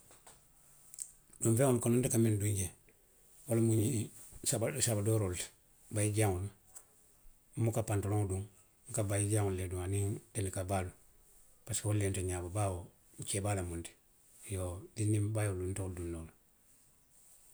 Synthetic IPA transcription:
dumfeŋonkonontekamenduɲɟe | wolamuɲi | sabasabadoɾolt | bajiɟaŋul | mukapantoloŋduŋ | ŋkabajiɟaŋulleduŋaniŋdenikabalu | paswolːenteɲababawo | ɲt͡ʃebalamunti̥ | jodinimbajoluntouldunːoːl

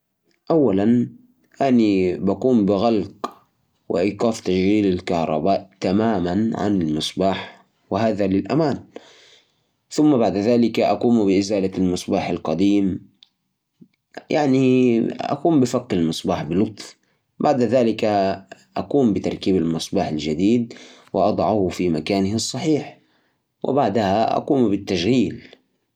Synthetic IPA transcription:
ʔawːalan | ʔanibakuːmbɪɣalq | wɪ̰ʔiːqɑːft̪aʃɣiːlalkahɾˤɑ̰baːʔt̪amaːmanʕa̰nalmɨsˤbaːħ | wɪhaːðalɪlʔa̰maːn | θʊmːabaʕd̪aðaːlɪkaʔaquːmbɪʔɪzaːlalmɨsˤbaːħalqɑd̪iːm | jaʕniʔa̰kuːmbɪfaqːɪlmɨsˤbaːħbɪlʊt̪ˤf | baʕd̪ðaːlɪkaʔakuːmbɪt̪ɑ̰ɾˤkiːbalmɨsˤbɑːħald͡ʒad̪iːd̪̚wɪ̰ʔɑd̪ˤʕɑhfimakaːnɪhɪsˤːɑħiːħ | wʔɪ̰baʕd̪ahaʔa̰quːmbɪt̪ːaʃɣiːl

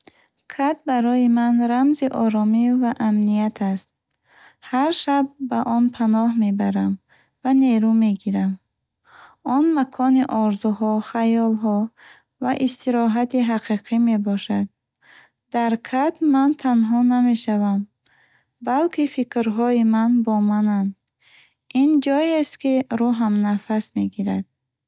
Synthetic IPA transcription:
kʰat̪̚baɾɔjimanɾamziʔɔɾɔmivaʔamnijat̪ʰast̪̚ | haɾʃab̚ːaʔɔnpʰanɔhme̞baɾam | vane̞ɾume̞ɡiɾam | ɔnmakʰɔniʔɔɾzuɦɔχajɔlɦɔ | vaʔist̪ʰiɾɔɦat̪iɦaqiqʰime̞bɔʃad̪̚ | d̪aɾkʰat̪mant̪ʰanɦɔname̞ʃavam | balkʰifikɾɦɔimanbɔmanand̪ | ind͡ʒɔjest̪kiɾuɦamnafasme̞ɡiɾad̪̥̚

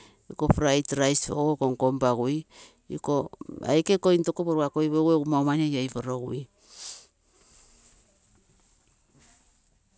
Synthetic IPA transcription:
iko̞fɾajtɾajsookoŋkombaɡuj | iko̞a̰jkeko̞intokopoɾuakojβeɡueumaomanejajfoɾoɡuj

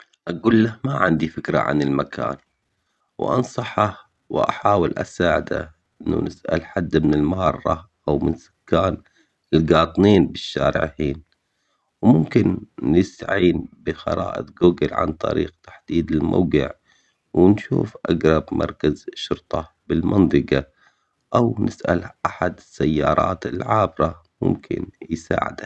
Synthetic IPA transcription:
ʔaɡuːlːahmaʕɪnd̪ifɪkɾa̰ʕa̰nɪlmakʰa̰ːn | wʔɑ̰nsˤɑħa | wʔa̰ħaːwɪlʔa̰saːʕɪd̪a̰ʔʔɪnːṵnɪsʔa̰lħad̪ːmɪnɪlmahɑrˤːɑʔawmɪnsʊ̥kːaːn | ɪlɡɑːt̪ˤniːnbɪʃːaːɾɪ̰ʕhiːn | wmʊmkɪnːɪst̪aʕiːnbɪxɑ̰ɾˤɑːʔɪ̰t̪ɡuːɡɪlʕa̰nt̪ˤɑ̰ɾiːqt̪ḁħd̪̥iːd̪ɪlmʔa̰ːɡɪʕ | wɪnʃuːfʔaɡɾˤɑbmʔɑ̰ɾˤkazʃːʊɾt̪ˤɑ | bɪlmɑnt̪ˤɨqɑ | ʔawnɪsʔa̰lʔaħad̪ɪsːajːɑːɾˤɑ̰ːt̪ɪlʕaːbɾɑ | mʊ̰mkʰɪ̰njsa̰ːʕɪ̰d̪a

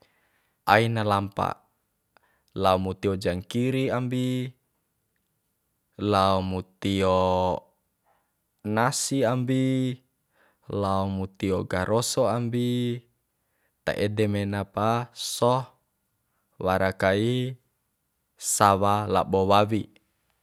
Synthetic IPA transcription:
ʔainalampa̰ | laumut̪iɔd͡ʒaŋkiɾiambi | laɔmut̪io | nasiambi | laɔmut̪iɔɡaɾʔɔsɔambi | t̪a̰ʔɛdɛmɛnapasɔh | waɾakai | sawala̰bɔwaβi

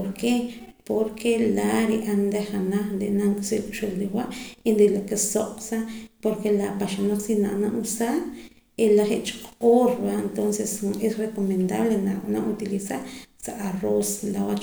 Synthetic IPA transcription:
oɾke | poɾkʰelaɾiʔand̪eχanaχnd̪enaŋkʼselkʼʃelɾiwaʔind̪elakesoqʼsapoɾkelapaʃanaχsinaʔnaʔusaːɾ | elaχeʔt͡ʃqʼoːɾbaent̪onsesesrekomend̪aβlenana̰ʔut̪ilisaɾsaʔaroslawat͡ʃ

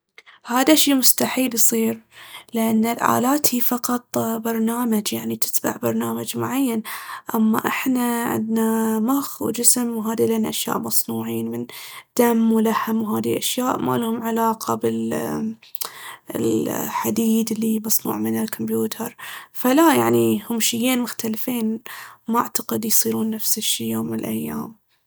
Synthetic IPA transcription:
haːd̪aʃiːmʊst̪aħiːljsˤiːɾlɪʔanːɪlʕa̰ːlaːt̪hiːfɑqɑt̪ˤbɑɾˤnaːmad͡ʒjaʕnit̪ɪ̥t̪ba̰ʕbɑɾˤnaːmad͡ʒmʊʕajːanʔamːa̰ʔɪħnaʕɪ̰nd̪namaxwd͡ʒɪsmwɦaːd̪ileːnaʔaʃja̰ːʔmɑsˤnuːʕiːnmɪnd̪̥amːwlahamwɦaːd̪iʔaʃjaːʔma̰lhʊmʕalaːqʰɑbɪl | lħad̪iːd̪lːimɑsˤnṵːʕmɪnɪlkʰɔmbjuːt̪ʰɑɾˤfalajaʕnihʊmʃɪjːeːnmʊxt̪alfeːnmaʔaʕt̪aqɪd̪jsˤiːɾuːnːafsɪʃːiːjoːmːɪnɪlʔajːaːm

